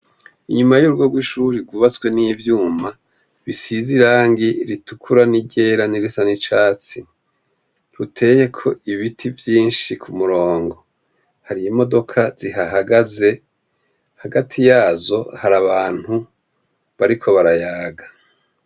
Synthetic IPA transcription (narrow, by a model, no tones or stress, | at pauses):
iɲumajuɾuɡoɡwiʃuɾiɡuβat͡swe̞nivjuːma | βisiziɾaːŋɡiɾitukʰuɾaniɟe̞ːɾaniɾisanit͡ʃaːt͡si | ɾutʰe̞ːje̞kʰo̞iβitʰivjiːnʃikʰumuɾo̞ːŋɡo̞ | haɾijimo̞do̞kʰaz̥iɦaɦaɡaze̞ | haɡatʰijaːzo̞haɾaβaːn̥hu | βaɾikʰo̞βaɾajaːɡa